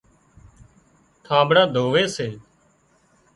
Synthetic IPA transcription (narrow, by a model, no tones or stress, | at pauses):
t̪ʰãːbɽaːd̪ʱoːʋeːseː